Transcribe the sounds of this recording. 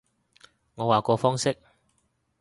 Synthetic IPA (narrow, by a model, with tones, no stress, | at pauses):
ŋɔː˨˧waː˨˩kɔː˧fɔː˥ŋsɪ˥k̚